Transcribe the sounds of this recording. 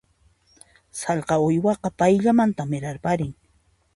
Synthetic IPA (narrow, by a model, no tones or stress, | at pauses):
sɑlqɑʊjwɑqɑpajʎamant̪amɪɾaɾpaɾɪŋ